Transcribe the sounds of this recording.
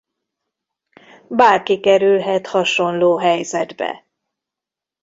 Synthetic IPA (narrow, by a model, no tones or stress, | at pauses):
baːrkikɛɾylɦɛt̪hɒʃo̞nloːɦɛjzɛd̪bɛ̰